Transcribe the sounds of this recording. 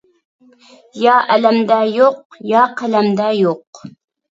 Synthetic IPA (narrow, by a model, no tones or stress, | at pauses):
jɑʔælæmd̪æjoq̚jɑːqælæmd̪æjoq